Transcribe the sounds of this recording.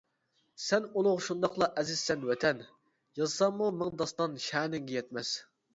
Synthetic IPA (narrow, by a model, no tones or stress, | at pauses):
sɛnulˠʊʁʃund̪ɑqlˠɑʔɛzɪz̥sɛnwɛt̪ʰɛn | jɑzɨsɑmmumɪŋd̪ɑst̪ɑnʃæːnɪŋɡʲɛjɛt̪mɛs